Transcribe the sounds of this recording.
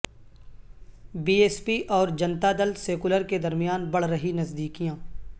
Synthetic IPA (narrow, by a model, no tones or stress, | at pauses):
biːeːspiʔɔːɾd͡ʒɐnt̪ad̪əlseːkʊləɾked̪ɐɾmijaːnbɐɽ̤ɾəɦinɐzd̪iːkijãː